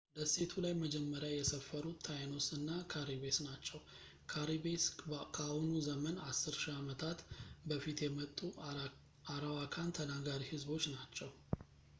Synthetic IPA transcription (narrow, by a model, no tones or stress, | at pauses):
bəse̞t̪ʰulajməd͡ʒɛmːəɾjajɛsəfːəɾut̪ʰːajano̞sɨnːakʰaɾiβesnat͡ʃːɛw | kʰaɾibeskʰahunuzəmənasːɨɾʃiamət̪ʰat̪bəfit̪jɛmət̪ʼːu | aɾawakʰant̪ʰənaɡaɾihɨzbo̞t͡ʃːnat͡ʃːɛw